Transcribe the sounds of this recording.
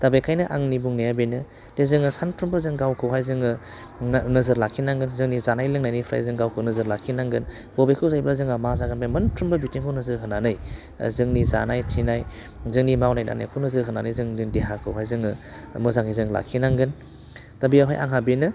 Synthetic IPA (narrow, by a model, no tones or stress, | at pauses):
tabekʰajnɯʔaŋnibuŋnejabenɯ | tezɯŋɯsanpʰɾumbɐzɯŋɡawkʰɯwɦajzɯŋɯ | nɐzɯɾlakʰːinaŋɡɯnzɯŋnizanajlɯŋnajnɯjpʰɾa̰jzɯŋɡawkʰɯwnɐzɯɾlakʰːinaŋɡɯn | b̥obekʰɯwzajblazɯŋamazaɡɯnbajmɐnpʰɾumbɯbitiŋkʰawnɐzɯɾɦɯnanɯj̰ | zɯŋniza̰najtʰinaj | zɯŋnimawnajda̰na̰jkʰɯwnɐzɯɾɦɯnanɯjzɯŋdɯŋdeɦakʰɯwɦajzɯŋɯmɯzaŋizɯŋla̰kʰːinaŋɡɯn | tabiawɦa̰jʔa̰ŋɦabenɯ